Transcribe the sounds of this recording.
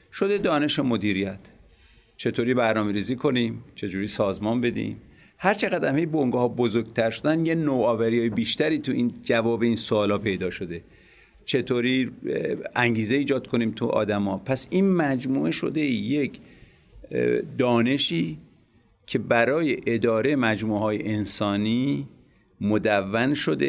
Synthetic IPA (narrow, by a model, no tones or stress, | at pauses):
ʃo̞d̪e̞d̪ɒːne̞ʃemo̞d̪iːɾijæt̪ʰ | t͡ʃʰe̞t̪ʰoːɾiːbæɾnɒːme̞ɾiːziːkʰo̞niːmt͡ʃʰe̞d͡ʒuːɾiːsɒːzmɒːnbe̞d̪ḭːm | hæɾt͡ʃʰeɣæd̪æmhejboŋɡɒhɒːbozoɾɡ̚t̪ʰæɾʃod̪ænjenoɒːvæɾijɒːjebiːʃt̪æɾiːt̪ʰuʔind͡ʒævɒːbeiːnsoːlhɒːpʰe̞jd̪ɒːʃo̞d̪e̞ | t͡ʃʰe̞t̪ʰoːɾi | æŋɟiːze̞iːd͡ʒɒːd̪̥̚kʰo̞niːmt̪ʰuʔɒ̰ːd̪æmɒːpʰæsinmæd͡ʒmuːʔeʃo̞̰d̪e̞je̞kʰ | d̪ɒːne̞ʃiː | cʰe̞bæɾɒːje̞ʔed̪ɒːɾemæd͡ʒmuːehɒːjḛʔensɒːniː | mod̪ævːænʃo̞d̪e